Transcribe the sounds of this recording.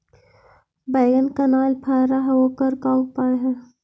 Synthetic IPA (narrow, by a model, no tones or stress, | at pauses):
baːɡənkɐnaːlpʰaːɾaɦɛoːkəɾkaːupaːeɦɛː